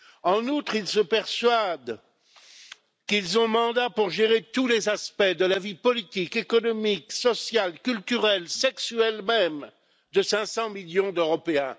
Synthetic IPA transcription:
ɑ̃nut̪χilsəpɛʁswad̪ | kilzɔ̃mɑ̃d̪apuʁʒeʁet̪ulezaspɛd̪əlavipɔlit̪ikekɔnɔmiksɔsjalkʲylt̪yʁɛlsɛksyɛlmɛm | d̪əsɛ̃sɑ̃miljɔ̃d̪øʁɔpeɛ̃

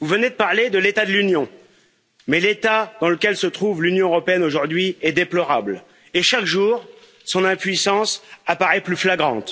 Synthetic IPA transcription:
vuvəned̪əpaʁled̪əlet̪ad̪əlynjɔ̃ | mɛlet̪ad̪ɑ̃ləkʲɛlsət̪χuvlynjɔ̃øʁɔpeɛnoʒuʁd̪ɥiɛd̪eplɔʁabl | eʃakʒuʁ | sɔ̃nɛ̃pɥisɑ̃sapaʁɛplyflaɡʁɑ̃t̪

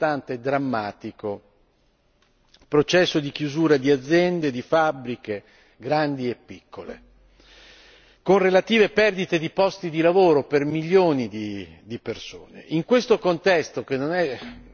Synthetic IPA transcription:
t̪ant̪eːd̪ːɾamːaːt̪iko | pɾot͡ʃɛsːod̪ik̟juzuːɾad̪iad̪zːjɛnd̪ed̪ifabɾike | ɡɾand̪iepːikːolḛ | konrelat̪iːvepɛrd̪it̪ed̪ipɔst̪id̪ilavoːɾopermilːjoːnid̪id̪iperso̰ːnḛʔiŋkwest̪okont̪ɛst̪ok̟enːonɛ

